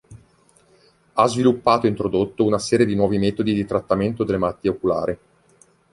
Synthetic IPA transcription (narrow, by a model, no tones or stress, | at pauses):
azvilupːaːt̪oint̪ɾod̪ot̪ːounasɛːɾjed̪inwɔːvimɛːt̪od̪id̪it̪ɾat̪ːament̪od̪elːemalat̪ːieokula̰ːɾi